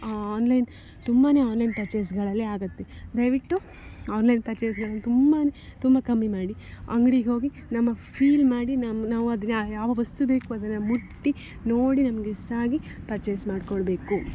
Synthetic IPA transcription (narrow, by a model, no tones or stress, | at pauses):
aːnlɐjn | t̪umbaːne̞ːaːnlɐjnpɐɾt͡ʃeːsɡɐɭɐlːiaːɡɐt̪ːed̪ɐjʋiʈːu | aːnlɐjnpɐɾt͡ʃeːs̬ɡɐɭɐnːɐt̪umbanet̪umbɐkɐmːimaːɽiɐ̰ŋɡɽiɡeɦo̞ːɡi | nɐmːɐpʰiːlmaːɽinɐnaːʋuɐd̪ɐnːjaːʋɐʋɐst̪ubeːkuɐd̪ɐnːɐmuʈːi | noːɽinɐmɐɡesʈaːɡi | pɐɾt͡ʃeːsmaːɽkoɭbe̞ːku